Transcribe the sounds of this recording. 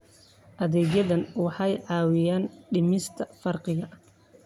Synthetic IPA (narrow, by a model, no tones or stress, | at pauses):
ʔɐðɛːɣjɐðɐnwɑħɑjʕɑːwɪjaːnɖɪmɪst̪ʰɐfɐrqɪɣɐ